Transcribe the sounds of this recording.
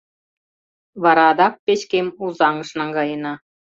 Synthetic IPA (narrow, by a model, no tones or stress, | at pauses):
ʋɑɾɑd̪ɑk̚pʲeɕkʲemuzɑŋɤ̆ʂnɑŋɡɑjɤ̆nɑ